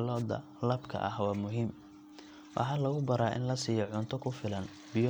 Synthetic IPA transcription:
lɔːd̪ɐ̰ | lɐbkʰɐ̰ʔɐhwɑːmʊɦiːm | wʔɑ̰ħɑːlɐɣʊbɐɾaːʔɪ̰nlɐsiːjɔʕʊnt̪ʰɔkʰʊfɪlɐn | bɪj

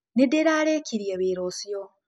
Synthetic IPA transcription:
nedeɾaːɾekʰiɾijeβeɾoːsjo

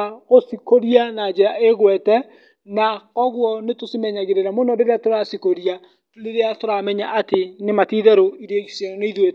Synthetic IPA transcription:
aɣosikoɾianad͡ʒeaeɣwɛtɛ | nakɔɣwɔnetosimɛɲaɣeɾeɾamonɔɾeɾeatoɾasikoɾia | ɾeɾeatoɾamɛɲaʔatenematiðɛɾoiɾeɣiseɔneiðwet

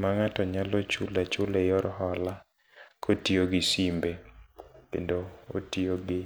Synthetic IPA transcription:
maŋatɔɲalot͡ʃulat͡ʃʊlejɔɾhɔla | kʰotioɡɪsimbekḛndoo̰tioɡɪ

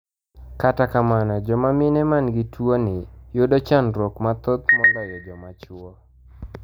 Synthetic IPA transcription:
katakamanɔd͡ʒɔmamɪnɛmanɡɪtʰwonɪjodot͡ʃanɾokmat̪ot̪mɔlɡɔjɔd͡ʒɔmat͡ʃwɔ

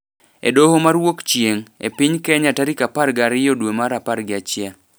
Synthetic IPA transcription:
ḛdohomaɾwokt͡ʃjeŋḛpiɲkɛɲataɾikaparɡaɾɪjodwemaɾapaɾɡɪat͡ʃja

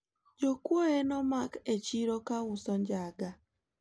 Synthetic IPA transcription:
d͡ʒokwoenɔmaket͡ʃiɾokawusɔɲd͡ʒaɡa

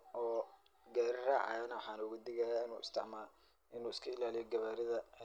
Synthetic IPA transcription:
ʔɔː | ɡaːɾraːʕɑ̰jɔnɐwħɑːnɐʊɣɐd̪ɪɣajaːɪnṵːʔɪ̰st̪ʰɪ̰ʕmaːl | ʔɪnuːɪskʰɐɪlaːlɪjɔɡɐβaːɾɪðɐ

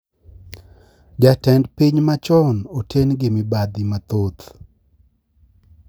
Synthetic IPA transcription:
d͡ʒatɛndpiɲmat͡ʃɔnotʰenɡɪmɪbad̪ɪmat̪ot̪

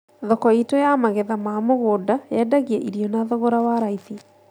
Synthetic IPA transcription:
ðɔkɔitɔjamaɣeðamamoɣoːdajɛdaɣiɛʔiɾiɔnaðɔɣoɾawaɾaiθi

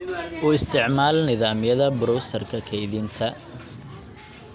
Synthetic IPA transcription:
ʔuːɪst̪ʰɪʕmaːlnɪðaːmɪjɐðɐbʊɾuwsɐrkʰɐkʰɛjðɪnt̪ʰɐ

